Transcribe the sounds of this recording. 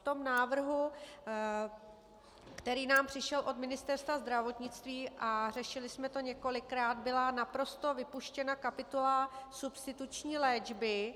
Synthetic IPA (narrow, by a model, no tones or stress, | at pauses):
t̪o̞mnaːvr̩ɦu | kt̪ɛɾiːnaːmpr̥ɪʃɛlʔo̞d̪mɪnɪst̪ɛɾst̪vazd̪ɾavo̞t̪ɲɪt͡st̪viːʔar̝ɛʃɪlɪsmɛt̪o̞ɲɛko̞lɪkɾaːd̪bɪlanapɾo̞st̪o̞vɪpuʃcɛnakapɪt̪ulasupst̪ɪt̪ut͡ʃɲiːlɛːd͡ʒbɪ